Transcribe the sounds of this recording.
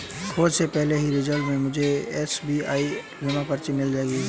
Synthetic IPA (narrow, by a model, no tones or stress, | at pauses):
kʰoːd̪sepɛɦleɦiɾɪd͡ʒəlmẽmʊd͡ʒʱeɛːsbiːa̰ːi | ɾɪmãpɐɾt͡ʃɪnːɪld͡ʒaeɡi